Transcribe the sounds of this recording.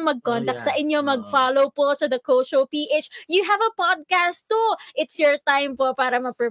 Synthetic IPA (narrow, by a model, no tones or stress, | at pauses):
ŋmɐɡ̚kont̪ɐkt̪sɐʔɪnjomɐɡfaːlowposɐd̪ɐkowʃopiːʔet͡ʃjuɦɐvɐpɔd̪̚kast̪ːoʔɪt̪sjɔɹt̪ajmpopaːɾɐmɐpɛ